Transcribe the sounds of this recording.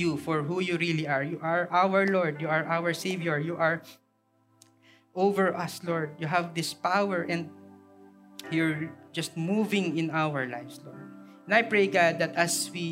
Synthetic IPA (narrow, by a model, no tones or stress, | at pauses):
jufɔɹɦujuɹiliaɹjuʔaɹʔawəɹlɔɹd̪juaɹʔawəɹseɪvjɔɹjuʔaɹ | ʔovɛɹʔʌslɔɹd̪̚juɦavd̪ɪspawɛɹʔɛ̃nd̪̚ | jʊɹd͡ʒʌst̪̚muvɪ̃ŋɪ̃nawəɹla̰jvslɔ̰ɹd̪̚ɛ̃najpɹejɡad̪̚ːat̪aswi